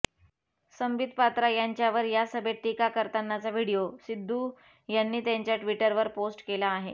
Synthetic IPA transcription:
səmbid̪̚ʱpat̪ɾajaɲt͡ɕjaʋəɾjasəbʱeʈːikakəɾt̪anːat͡saʋiɽijosid̪ʱːuː | janːiːt̪jaɲt͡ɕjaʈʋiʈəɾʋəɾposʈkelaːɦe

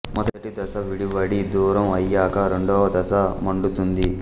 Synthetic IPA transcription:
mɔd̪ɐɐʈid̪ɐsɐʋiɽiʋɐɽid̪uːɾɐmɐjːaːkɐɾeɳɖɔːʋɐd̪ɐsɐmɐɳɖut̪und̪i

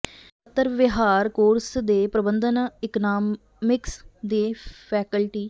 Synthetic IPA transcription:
ət̪ːəɾʋɪɦaːɾkoːɾsd̪eːpɾəbənd̪ənɪknaː | mɪksd̪eːpʰɛːkəlʈiː

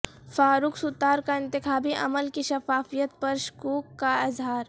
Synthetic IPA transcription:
faːɾuːksʊt̪ːaːɾkaɪ̃nt̪ɪxaːbiʔɐ̰məlkiʃɐfaːfijət̪̚pɐɾʃkuːkːaɪzɦaːɾ

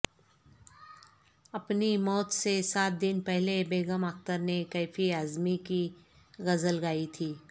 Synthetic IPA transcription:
ɐpnimɔːt̪sesaːt̪̚d̪ɪnpɛɦlebeːɡəmək̚t̪əɾnekaːfiaːzmiki | ɣɐzəlɡaːit̪ʰiː

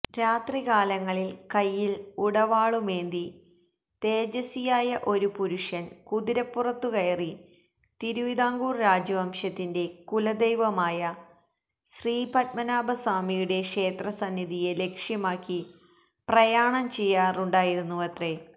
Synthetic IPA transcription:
ɾaːt̪rikaːlɐŋːɐɭilkɐjːiluɽɐʋaːɭumeːnd̪i | t̪e̞ːd͡ʑɐsijaːjɐʔo̞ɾupuɾuʂɐnkuðiɾɐpːurɐt̪ːukɐjɐri | t̪iɾuʋid̪aːŋɡuːrɾaːd͡ʑɐʋɐmʂɐt̪ːinde̞kulɐd̪ejʋɐmaːjɐ | ɕriːpɐt̚mɐnaːbɐsaːmijuɽe̞kʂe̞ːt̪rɐsɐnːiðije̞le̞kʂjɐmaːkːi | prɐjaːɳɐmt͡ɕe̞jːaːruɳɖaːjiɾunːuʋɐt̪re̞

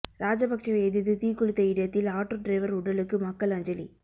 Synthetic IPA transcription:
ɾaːd͡ʒɐbɐk̚t͡ʃɐɐɛðɯðɯt̪iːkːʊɻɯt̪ːɐɪɽɐjɐt̪ːɪlaːʈːoːɖɾɐɪʋɐɾʊɽɐlɯkːɯmɐkːɐɭɐɲd͡ʒɐlḭ

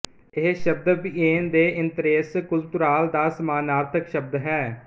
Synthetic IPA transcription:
ɪɦʃəb̚d̪pieːnd̪eːʔɪnt̪ɾeːskʊlt̪ʊɾaːld̪aːsəmaːnaːɾt̪ʰəkʃəb̚d̪ɦɛː

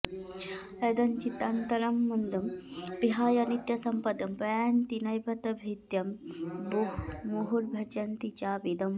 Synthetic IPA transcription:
ed̪ɐnt͡ʃit̪ant̪ɐɾɐmːɐnd̪ɐmpiɦaːjɐnit̪jɐsɐmpɐd̪ɐmpɾɐjaːnt̪inɐjbʱɐt̪ɐbʱit̪jɐmbuɦmuɦuɾbʱɐɾd͡ʒɐnt̪it͡ʃaːbid̪ɐm

